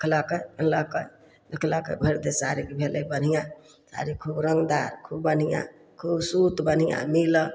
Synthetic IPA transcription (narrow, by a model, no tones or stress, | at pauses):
kʰlakəjləkəj | ləkʰləkə̰bʱəɾd̪esaɾikebʱelebən̤ijã | sa̰ɾikʰubɾəŋɡd̪aɾkʰubːən̤ijã̰ | kʰubsut̪bən̤ijã̰milə